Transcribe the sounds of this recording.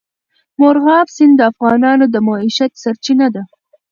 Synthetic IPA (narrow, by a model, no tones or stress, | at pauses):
moɾɣɑːfsɪnd̪əafɣɑːnɑːnod̪əmɑːiʃat̪saɾt͡ʃinad̪a